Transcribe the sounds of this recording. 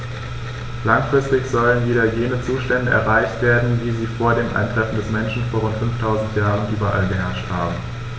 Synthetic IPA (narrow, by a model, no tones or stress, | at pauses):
laŋfʁ̥ɪstɪçz̥ɔlənviːɾɐjeːnət͡suːʃtɛndəʔɛ̰ɐʁaɪçtv̥eːɐdn̩viːziːfoːɐdeːmʔa̰ɪntʁ̥ɛfn̩dɛsmɛnʃn̩foːɐʁʊntfʏnftʰaʊzn̩tjaːʁənʔyːbɐʔa̰lbəɦɛɐʃthaːbm̩